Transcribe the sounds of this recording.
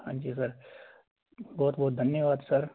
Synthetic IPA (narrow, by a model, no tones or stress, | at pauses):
hã̰ːɲd͡ʒiːsɐɾ | bɔːt̪̚bɔːt̪d̪ʱɐnjəʋaːd̪sɐɾ